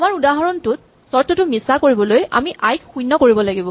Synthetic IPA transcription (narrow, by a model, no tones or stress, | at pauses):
amaɹudaɦaɹɔntʊt̚ | sɔɹtɔtʊmisakoɹibɔloja̰miʔajkxujnːɔkoɹibɔlaɡibɔ̃